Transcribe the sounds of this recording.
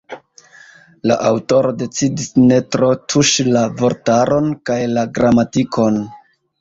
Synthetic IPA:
la̰ʔawto̞ɾo̞de̞t͡sidisne̞tɾo̞tʰuʃilavo̞ɾtaɾo̞nkajlaɡɾamatikʰo̞n

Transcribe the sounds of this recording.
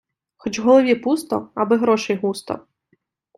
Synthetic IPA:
xɔt͡ʃɦɔlˠɔʋʲipust̪ɔ̰ɐbɪɦɾɔʃɛjɦust̪ɔ̰

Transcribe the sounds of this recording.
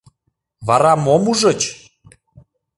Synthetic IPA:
βɑɾɑmomuʒɤ̆t͡ɕ

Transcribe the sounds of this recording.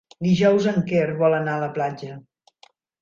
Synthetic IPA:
d̪iʒɔwzəŋkerβɔlənaələplad͡ʒə

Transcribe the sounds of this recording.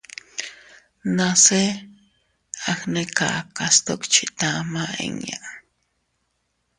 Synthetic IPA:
nase | axnekaʔkast̪okt͡ʃit̪amaḛŋa

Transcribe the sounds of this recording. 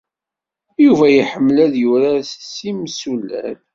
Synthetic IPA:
juvæjiħəmːlæðjuɾassːimsulːæ̰l

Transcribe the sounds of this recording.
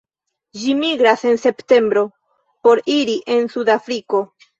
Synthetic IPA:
d͡ʒimiɡɾase̞nse̞pte̞mbɾo̞ | po̞ɾiɾiʔe̞nsudafɾiko̞

